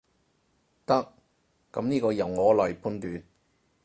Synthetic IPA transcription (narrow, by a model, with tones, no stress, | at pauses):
t̪ɐ˥k̚ː | ɐ̰˨˥mniː˥kɔː˧jɐ˨wŋɔː˨˧lɔː˨˩jpʰuː˥nt̪yː˨˧n